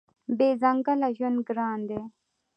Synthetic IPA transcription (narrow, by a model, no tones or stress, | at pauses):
beːzɐŋɡɐlaʑunɡɾaːnd̪e